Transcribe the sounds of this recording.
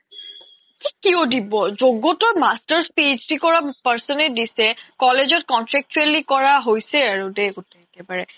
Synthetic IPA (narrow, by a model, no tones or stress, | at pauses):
kikiɔdibɔzoɡːotɔɹmastəɹspid͡ʑdikɔɹapaɹsɔnɛdisɛkɔlezɔt̚kɔntɹɛk̚t͡ʃuelikɔɹaɦojsɛaɹudɛɡotɛkɛbaɹɛ